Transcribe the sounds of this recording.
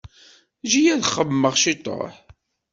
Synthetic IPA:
ʒijæðχəvmːəʁʃit̪ˤːo̰ħ

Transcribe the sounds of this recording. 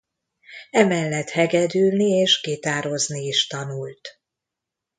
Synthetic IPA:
ɛmɛlːɛt̪hɛɡɛd̪yːlnieːʃkeːt̪aːɾo̞zniːʃt̪ɒnult̪

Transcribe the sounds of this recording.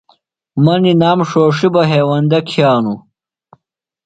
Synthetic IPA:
mɐninaːmʂoːʂibɐɦeːwɐnd̪ɐkʰjaːnu

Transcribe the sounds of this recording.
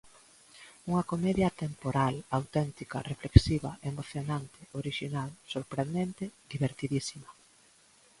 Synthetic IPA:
uŋɐkomɛðjɐt̪empoɾalawt̪ɛnt̪ikɐ̰refleksiβɐʔemoθjonant̪ɪ̥oɾiʃinalsoɾpɾend̪ent̪ɪd̪iβeɾt̪iðisimɐ

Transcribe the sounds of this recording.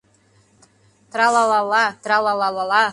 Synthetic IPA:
t̪ɾalˠɑlˠɑlɑt̪ɾalˠɑlˠɑlˠɑlˠɑ

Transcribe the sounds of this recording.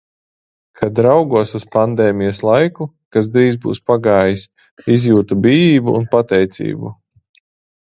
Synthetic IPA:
kʰad̪ɾawɡuɔsuspand̪eːmijɐslˠajku | kaz̬d̪ɾiːzbṵːspaɡaːjis | izjuːt̪ubiːviːbuːnpat̪ɛjt̪sḭːbṵ

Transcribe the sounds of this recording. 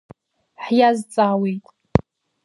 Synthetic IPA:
ħjazt͡sʼaːwijtʼ

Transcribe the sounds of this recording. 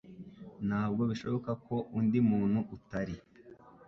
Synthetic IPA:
naːb̚ɡo̞βiʃo̞βo̞kako̞undimuːnhuʔutaɾi

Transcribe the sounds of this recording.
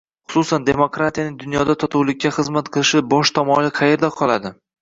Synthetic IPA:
χʊ̥susand̪e̞mokɾat̪ʰijanɪŋd̪ʊnjɒd̪at̪ʰɒt̪ʰuwlɪk̚ʲːaχɨzmat̪qʰɨlˠɪʃɪbɒʃt̪ʰɒmɒlɪqʰɑje̞ɾd̪aqʰɒlˠad̪ɪ

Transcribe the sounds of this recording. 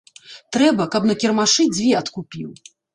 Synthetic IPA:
t̪ɾɛbɐkɐpnɐkʲɛrmaʂɨd͡zʲvʲɛɐt̪kupʲiw

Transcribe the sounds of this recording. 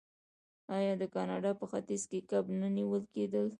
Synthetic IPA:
ɑjɑd̪əkɑnɑɖɑpəxat̪izkekabnaniwəlked̪əl

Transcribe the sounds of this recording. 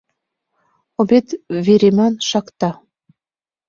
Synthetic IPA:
obet̪veɾemænʃɑkt̪ɑ

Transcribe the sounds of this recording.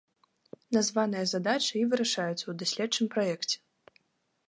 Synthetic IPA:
nazvanɨjɐzad̪at͡ʂɨivɨɾaʂajut̪sɐwd̪asʲlʲɛtt͡ʂɨmpɾajɛkt͡sʲɛ̥

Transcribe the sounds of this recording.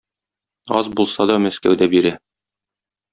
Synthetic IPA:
ɑ̰zbulˠsɑd̪ɒmæskæ̰wd̪æbiɾæ

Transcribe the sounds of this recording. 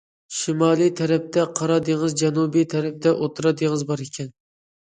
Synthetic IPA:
ʃimɑːlˠijt̪ʰɛɾɛp̚t̪ʰɛqʰɑɾɑd̪eŋɨzd͡ʒɛnubijt̪ʰɛɾɛp̚t̪ʰɛʔot̪ʰɾɑd̪eŋəzbɑɾekʲʰɛn

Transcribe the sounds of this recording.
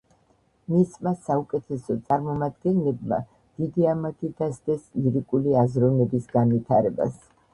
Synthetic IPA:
mismasaukʼɛt̪ʰɛsɔt̪sʼaɾmɔmad̪ɡɛnlɛbma̰ | d̪̥id̪iamat̪ʰid̪asd̪ɛsiɾikʼuliazɾɔnɛbisɡanvit̪ʰaɾɛba̰s

